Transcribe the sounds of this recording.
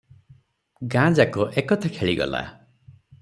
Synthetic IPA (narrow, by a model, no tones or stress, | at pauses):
ɡãd͡ʒakɔʔekɔt̪ʰakʰeɭiɡɔ̰la̰